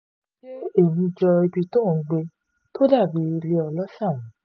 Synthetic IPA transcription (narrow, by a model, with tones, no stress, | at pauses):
e˦e˦˨nĩ˧d͡ʒɔ˧i˧bi˧to˦˨˦ɡ͡be˧ | to˦da˦˨bi˧le˧ɔ˧lɔ˦ʃa˦˨wũ˨˦